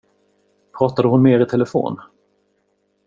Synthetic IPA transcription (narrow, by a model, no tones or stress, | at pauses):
pʰɾɑːt̪ad̪əhʊnmeːɾɪt̪ʰɛləfo̰ːn